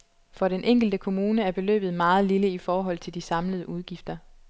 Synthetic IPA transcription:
fɒ̽ɾenʔeŋ̰ɡ̥l̩d̥əkʰo̝muːnəæɐb̥e̝lø̰ːb̥ð̩ˠmɑ̈ːð̞̩ˠliləifɒːɦɒ̽l̰t͡sʰe̝ld̥isɑ̈mləð̞ˠəʔuð̞ˠɡ̥ifd̥ɐ

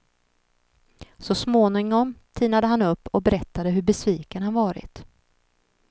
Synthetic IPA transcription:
sɔsmoːnɪŋɔmt̪ʰiːnad̪əɦanɵpːɔk̚bɛɾɛt̪ːad̪əɦɵɾbɛsviːkənhanvɑːɾɪ̰t̪

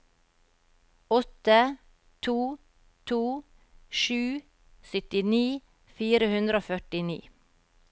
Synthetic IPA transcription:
ɔt̪ə | t̪ʰuː | t̪ʰuː | ʃʉː | sʏt̪ɪniː | fiːɾəhʉnd̪ɾoːfœʈɪnḭː

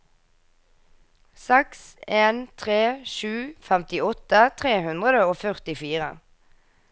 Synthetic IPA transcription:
sɛkseːnt̪ʰʁeːʃʉːfæmt̪ɪɔt̪ət̪ʰʁeːhʉnd̪ʁəd̪əoːfœʁt̪ɪfiːʁə̰

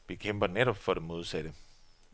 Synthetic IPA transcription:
ʋikʰem̰b̥ɐneɾɒb̥fɒ̽ɾ̥emo̝ð̞ˠsæd̥ə

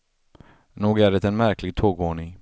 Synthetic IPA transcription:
noːɡæːɖɛt̪ɛnmæɾklɪɡ̚t̪ʰoːɡvoːɳɪŋ

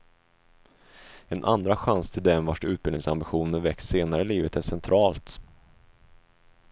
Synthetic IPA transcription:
ɛnʔa̰nd̪ɾaɧanst̪ʰɪld̪ɛmvaʂʉ̟ːt̪bɪlɪŋsambɪɧuːnənvɛkːsseːnaɾəliːvət̪æsɛnt̪ʰɾɑːlt̪

